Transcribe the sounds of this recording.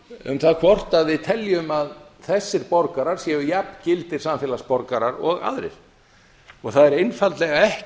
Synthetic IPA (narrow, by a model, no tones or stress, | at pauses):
ʏ̰mθaðkʰvɔr̥t̪aðvɪðt̪ʰɛljʏmað | θɛsːɪɾpɔɾkaɾaɾ̥sjɛʏjapn̥cɪlt̪ɪɾ̥samfɛːlaspɔɾkaɾaɾɔɣa̰ðɾɪ̰ɾ̥ | ɔɣθaðɛɾejnfalt̪lɛɣaɛh